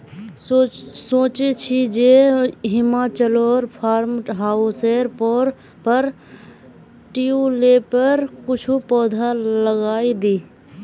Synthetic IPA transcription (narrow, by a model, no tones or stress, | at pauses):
soːt͡ʃet͡ʃʰid͡ʒeɦɪmat͡ʃəlɔːɾpʰaːɾmʈɦaːuseːɾpɔːɾpəɾ | ʈiulepəɾkʊt͡ʃʰupɔːd̪ʱaləɡaːid̪iː